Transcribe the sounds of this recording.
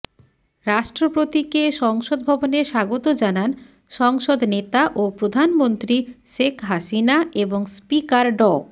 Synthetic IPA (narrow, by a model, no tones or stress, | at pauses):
ɾaʃʈɾopɾot̪ikeʃɔŋʃod̪̚bʱɔboneɾʃaɡot̪od͡ʑanan | ʃɔŋʃod̪net̪aʔopɾod̪ʱanmont̪ɾiʃekɦaʃinaeboŋspikaɾɖɔ